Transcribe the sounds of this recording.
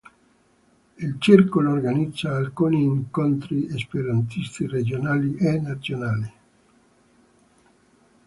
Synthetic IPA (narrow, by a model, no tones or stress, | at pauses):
ilt͡ʃirkoloːrɡanid̪zːaːlkuːniːŋkont̪ɾiespeɾant̪ist̪ired͡ʒonaːliʔenat̪sjonaːli